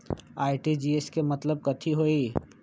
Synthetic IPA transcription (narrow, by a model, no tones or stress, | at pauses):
aːiʈid͡ʒieskemɐt̪ləb̚kɐt̪ʰiɦoːi